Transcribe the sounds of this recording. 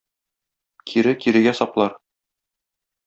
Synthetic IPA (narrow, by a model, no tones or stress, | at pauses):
kʰiɾɘkiɾɘ̆ɡæsɒplˠɑɾ